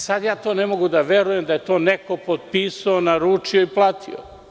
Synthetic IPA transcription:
sad̪jaːt̪oːne̞mo̞ɡud̪aʋeɾujemd̪aje̞t̪o̞ːnekopod̪̚piːsaonaɾuːt͡ʃioiplˠaːt̪ʰḭo̰

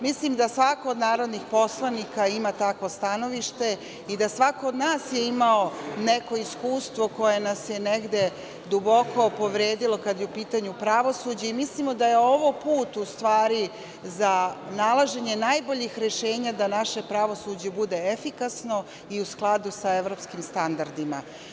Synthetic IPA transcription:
mislimd̪asʋako̞ːd̪naːɾo̞d̪nixpo̞slˠanikaimat̪akʋo̞st̪ano̞ʋiʃt̪e̞ | id̪asʋako̞ːd̪naːsjeimaoneko̞iskuːst̪ʋo̞ko̞je̞nasjeneɡd̪e̞ | d̪ubo̞ko̞poʋɾeːd̪ilˠo̞kad̪jeupiːt̪aɲupɾaʋo̞sud͡ʑeimislimo̞d̪ajeoʋopuːt̪ust̪ʋaːɾi | zanalˠaʒe̞ɲe̞najbo̞ʎixɾeʃe̞ːɲad̪anaʃe̞pɾaʋo̞sud͡ʑebud̪e̞efikasno̞ | iusklˠad̪usaeʋɾo̞p̪skimst̪and̪aɾd̪ima

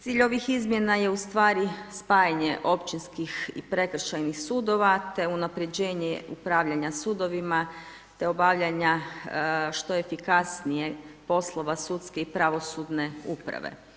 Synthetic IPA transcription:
t̪iːʎo̞ʋixizmje̞naje̞ust̪ʋaːɾispaːjaɲe̞ʔo̞pt͡ɕinskixḭpɾe̞kɾ̩ʃajnixsuːd̪o̞ʋat̪e̞unapɾe̞d͡ʑe̞ːɲeupɾaːʋʎaɲasuːd̪o̞ʋima | t̪e̞o̞baʋʎaɲa | ʃt̪o̞efikasnijepo̞slˠo̞ʋasut̪skeipɾaʋo̞sud̪ne̞upɾa̰ʋḛ

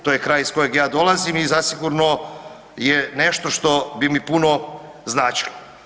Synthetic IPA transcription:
t̪ojekɾaːjisko̞joɡjaːd̪o̞lˠazimizasiɡuɾno | jene̞ʃt̪o̞ʃt̪o̞bimipuno̞ | znaːt͡ʃi̥lo

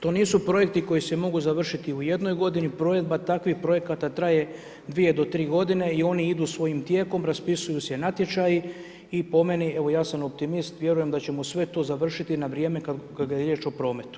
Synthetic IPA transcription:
t̪o̞ːniːsupɾo̞je̞kt̪iko̞jisemo̞ɡuzaʋr̩ʃit̪iuje̞d̪no̞jɡo̞d̪inipɾo̞je̞d̪̚bat̪akʋixpɾo̞je̞kat̪at̪ɾaje̞ | d̪ʋije̞d̪o̞t̪ɾiːɡo̞d̪ine̞io̞niid̪usʋo̞jimt̪je̞ːko̞mɾaspisujusenat̪je̞t͡ʃaji | ipo̞me̞nie̞ʋo̞jaːsamo̞p̚t̪imist̪ʋje̞ɾuje̞md̪at͡ɕe̞musʋe̞t̪o̞ːzaʋr̩ʃit̪inaʋɾjeːme̞kakaɡajeɾjet͡ʃo̞pɾo̞ːme̞t̪u̥

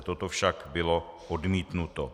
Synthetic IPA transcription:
t̪ot̪ofʃakbɪlo̞ | ʔodmiːt̪nut̪o

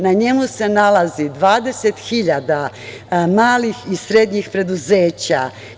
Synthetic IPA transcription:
naɲe̞muse̞nalazid̪ʋaːd̪e̞set̪xiʎad̪a | maːlixisɾe̞d̪ɲixpɾe̞d̪uze̞ːt͡ɕa̰

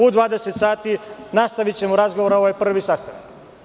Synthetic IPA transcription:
ud̪ʋaːd̪eset̪saːt̪inast̪aʋit͡ɕe̞muɾazɡoʋoɾaoʋajpr̩ʋisast̪anak

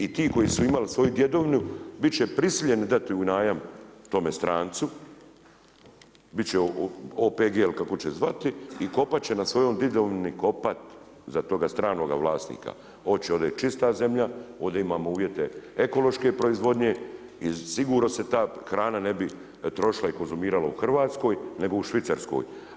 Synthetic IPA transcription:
it̪iːko̞jisuimalisʋo̞jud̪je̞d̪oːʋnubitt͡ɕepɾisiʎe̞nid̪at̪iunaːjamt̪o̞mest̪ɾaːnt̪su | bitt͡ɕeopeːɡelkako̞t͡ɕezʋat̪iːko̞pat̪̚t͡ɕe̞nasʋo̞joːmd̪id̪oʋniko̞pat̪ | zat̪o̞ɡast̪ɾaːno̞ɡa̰ʋlˠaːsnḭːka̰ | o̞d̪t͡ʃeo̞d̪et͡ʃist̪aze̞mʎao̞d̪aimaːmouːʋje̞t̪e̞eko̞lo̞ʃke̞pɾo̞izʋo̞d̪ɲe̞ | isiɡuːɾno̞set̪aːxɾaːnane̞bi | t̪ɾo̞ʃilˠaiko̞nzumiːɾalauxr̩ʋaːt̪sko̞jne̞ɡo̞uʃʋit̪saɾsko̰j

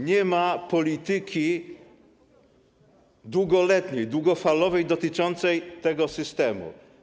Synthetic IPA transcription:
ɲɛmapɔlʲit̪ɘkʲi | d̪wuɡɔlɛt̪ɲejd̪wuɡɔfalɔvɛjd̪ɔt̪ɘt͡ʂɔnt̪sɛjt̪ɛɡɔsɨst̪ɛmṵ

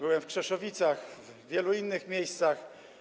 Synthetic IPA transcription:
bɘwɛmfkʂɛʂɔvʲit̪saxv | vʲjɛluinːɘxmʲjejst̪sax

